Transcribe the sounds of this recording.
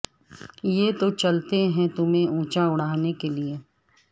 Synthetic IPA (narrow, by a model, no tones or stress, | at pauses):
jet̪ot͡ʃɐlt̪eɦɛ̃t̪ʊmẽũːt͡ʃaʊɽ̤aːnekelie